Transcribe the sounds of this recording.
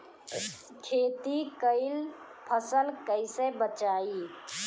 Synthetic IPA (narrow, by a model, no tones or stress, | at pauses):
kʰet̪ikəɪl | pʰəsəlkəɪsebət͡ʃai